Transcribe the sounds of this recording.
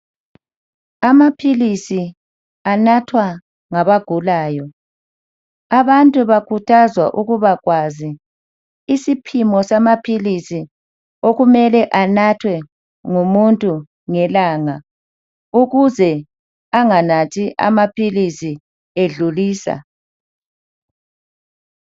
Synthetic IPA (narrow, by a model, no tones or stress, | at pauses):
amapʰilisi | anatʰwa | ŋaβaɡ̥ʱulaːjɔ | aβantʼuβakʰutʰazwaʔuɣuβaɣwaziː | sipʰimɔsamapʰilisi | oɣumɛlɛʔanatʰwɛ | ŋumuntʼu | ŋɛlaŋa | uɣuzɛ | aŋanatʰiʔa̰mapʰilisi | eɮuliːsa̰